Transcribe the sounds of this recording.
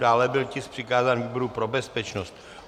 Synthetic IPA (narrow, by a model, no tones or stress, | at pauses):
daːlɛbɪlcɪspr̝̥ɪkaːzaːnviːbo̞ɾupɾobɛspɛt͡ʃnost̪̚